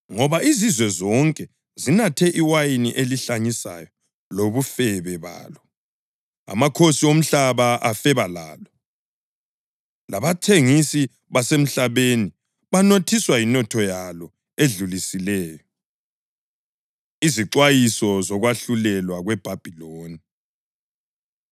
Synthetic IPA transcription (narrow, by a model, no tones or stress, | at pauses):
ŋɔβaʔizizwɛzɔŋkʼɛ | zinatʰɛʔiwajinḭʔeliɬaɲisa̰jɔ | loβufɛβɛβa̰ːlɔ | a̰makʰosiom̩ɬaβaʔafɛβala̰ːlɔ | laβatʰeŋisi | βasem̩ɬaβeni | βanotʰiswajinɔtʰɔjalɔ | eɮulisilɛːjɔ | iziǁwajisɔzɔɣwaɬulɛlwaɣwɛb̥ʱab̥ʱiloːni